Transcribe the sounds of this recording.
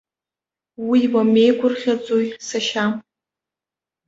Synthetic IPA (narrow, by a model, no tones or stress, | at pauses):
wiwame̞jkʷʰʊrχʲat͡sʼojsaʃam